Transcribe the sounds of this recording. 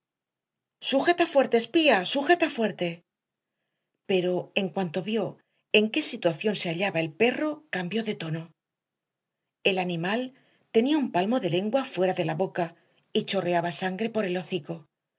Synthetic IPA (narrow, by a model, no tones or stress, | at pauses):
suxe̞t̪afwe̞ɾt̪e̞ːspiasuxe̞t̪afwe̞ɾt̪e̞ | pe̞ɾo̞e̞ŋkwant̪o̞βjo̞ | e̞ŋke̞sit̪waθjo̞nse̞aʎaβae̞lpe̞ro̞kambjo̞ðe̞t̪o̞no̞ | e̞lanĩmal | t̪e̞niaumpalmo̞ðe̞le̞ŋɡwafwe̞ɾaðe̞laβo̞ka | it͡ʃo̞re̞aβasaŋɡɾe̞po̞ɾe̞loθiko̞